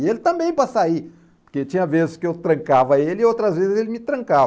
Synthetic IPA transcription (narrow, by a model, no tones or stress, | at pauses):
elɪt̪ɐ̃mbẽj̃pɾɐsai | poɾket͡ʃĩɲɐvezɪskɪewt̪ɾɐ̃ŋkavɐelɪiowt̪ɾɐzvezɪzelɪmɪt̪ɾɐ̃ŋka